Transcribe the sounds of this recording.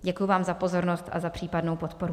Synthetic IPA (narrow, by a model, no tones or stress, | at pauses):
ɟɛkʊjuvaːmzapo̞zo̞ɾnost̪ʔa̰zapr̥iːpadno̞wpo̞t̪po̞ɾu